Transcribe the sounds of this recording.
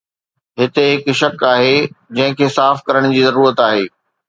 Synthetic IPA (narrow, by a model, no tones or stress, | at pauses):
ɦɪt̪eɦɪkʃɐkaːɦeːd͡ʑɐ̃ɦɪ̃kʰeːsaːfkɐɾəɽ̃d͡ʑiːzɐɾuːɾət̪aːɦeː